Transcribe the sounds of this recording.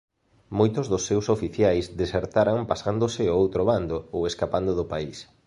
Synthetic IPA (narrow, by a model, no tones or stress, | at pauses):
mojt̪ʊzðʊsːewsofiθjajsd̪eseɾt̪aɾaŋpasand̪osɪoowt̪ɾoβand̪ooweskapand̪ʊðʊpais